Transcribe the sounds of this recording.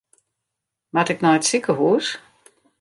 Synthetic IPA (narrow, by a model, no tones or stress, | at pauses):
matɪknɔjtsikəɦuːs